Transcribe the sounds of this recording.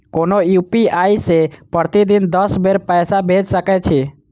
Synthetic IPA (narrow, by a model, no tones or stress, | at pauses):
koːnojupiaisepəɾt̪id̪ind̪əsbeɾpɛːsabʱed͡ʒsəkɛt͡ʃʰe